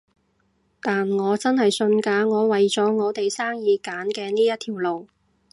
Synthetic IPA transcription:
t̪aː˨nŋɔː˨˧t͡sɐ˥nhɐ˨jsɵ˧nkaː˨˧˥ŋɔː˨˧wɐ˨jt͡sɔː˨˥ŋɔː˨˧t̪e˨jsaː˥ŋjiː˨˧kaː˨˥nkɛː˧niː˥jɐ˥t̚t̪ʰiː˨˩wlo˨w

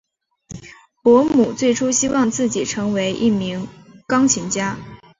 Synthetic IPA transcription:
pwɔ˧˥mu˨˩t͡swe˥˩ɪʈ͡ʂʰu˥ɕi˥wɑ˥˧ŋt͡sɹ̩˥˩t͡ɕi˨˩ʈ͡ʂʰɤ˧˥ŋwe˧˥ɪʔi˥˩mi˧˥ŋ | kɑ˥ŋt͡ɕʰi˧˥ŋt͡ɕja˥

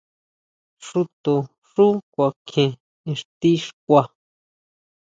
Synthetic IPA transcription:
ʂu˧t̪o˨ | ʂu˦kʷa˧kʰẽ˧ | ẽ˧ʂt̪i˦ʂkʷa˧

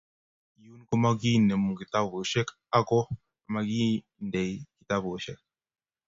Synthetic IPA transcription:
ju˦n˦ko˦ma˦ɡi˦ne˨mu˨ki˨t̪a˦bo˨ʃɛ˦k | a˦kɔ˦˨ | ma˨ɡi˦ | nde˨jki˨t̪a˦bʃɛ˦k̚

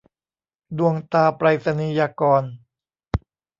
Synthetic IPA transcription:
du˧əŋt̪aː˧pɾaː˧jsa˧niː˧jaː˧kɔː˧n

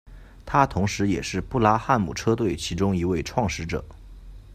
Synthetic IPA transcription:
t̪ʰa˥t̪ʰʊ˧˥ŋʂɻ̩˧˥jɛ̰˨˩ʂɻ̩˥˧pu˥˩la˥xa˥˩nmṵ˨˩ʈ͡ʂʰɤ˥t̪we˥˩ɪt͡ɕʰi˧˥ʈ͡ʂʊ˥ŋi˧˥we˥˧ɪʈ͡ʂʰwɑ˥˩ŋʂɻ̩˧˥ʈ͡ʂɤ̰˨˩˦

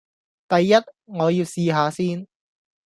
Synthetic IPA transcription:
t̪ɐ˨jːɐ˥t̚ŋɔː˨˧jiː˧wsiː˧ɦaː˨˧siː˥n

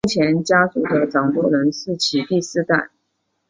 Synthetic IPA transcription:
u˥˩t͡ɕʰjɛ˧˥nt͡ɕja˥su˥˩d̪ə˩ʈ͡ʂɑ˨˩ŋt̪wɔ˥ɻə˧˥nsɹ̩˥˩t͡ɕʰi˨˩t̪i˥˧sɹ̩˥˧t̪a̰˥˩n

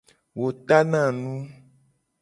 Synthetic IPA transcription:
wo˨t̪a˦nã˦˨nũ˦

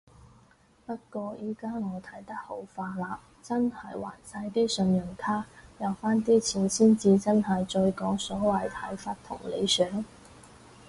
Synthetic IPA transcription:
pɐ˥t̚kʷɔː˧jʔiː˨˩kaː˥ŋɔː˨˧t̪ʰɐ˨˥jt̪ɐ˥k̚ho˨˥wfaː˧laː˧p̚ | t͡sɐ˥nhɐ˨˩jwa̰ː˨˩nsɐ˧˥jt̪iː˥sɵ˧njɵ˨˩ŋt̪ʰaː˥jɐ˨˧wfaː˥nt̪̬iː˥t͡sʰiː˨˥nsiː˥nt͡siː˧t͡sɐ˥nɦɐ˨jt͡ʃɵ˧ɥkɔː˨˥ŋsɔː˨˥wɐ˨jt̪ʰɐ̰˨˥jfaː˧t̚t̪ʰʊ̰˨˩ŋlḛ˨˧jsœː˨˥ŋ

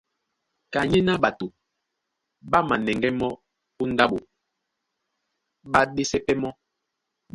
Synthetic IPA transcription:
ka˨ɲɛ˦na˦ɓa˨tu˨ | ɓa˦ma˨nɛ˨ŋɡɛ˦mɔ˦ | u˦n˦da˦ɓo˨ | ɓa˦ɗe˦sɛ˦pɛ˦mɔ˦

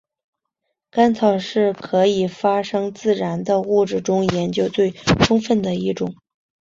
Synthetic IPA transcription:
ka˥nt͡sʰɑ˨˩ʊʂɻ̩˥˩kʰɤ˧˥i˨˩fa˥ʂɤ˥ŋt͡sɹ̩˥˩ɻa˧˥nd̪ə˧u˥˧ʈ͡ʂɻ̩˥˩ʈ͡ʂʊ˥ŋjɛ˧˥nt͡ɕjo˥ʊt͡swe˥˩ɪʈ͡ʂʰʊ˥ŋfə˥˩nd̪ə˩i˥˩ʈ͡ʂʊ˨˩˦ŋ

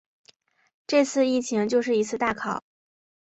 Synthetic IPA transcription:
ʈ͡ʂɤ˥˧t͡sʰɹ̩˥˧i˥˩t͡ɕʰi˧˥ŋt͡ɕjo˥˧ʊʂɻ̩˥˩i˧˥t͡sʰɹ̩˥˧t̪a˥˩kʰɑ˨˩˦

